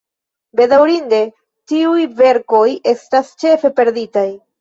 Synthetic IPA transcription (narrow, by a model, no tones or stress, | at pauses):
be̞dawɾinde̞ | tiujve̞ɾko̞je̞stast͡ʃe̞fe̞pe̞ɾditaj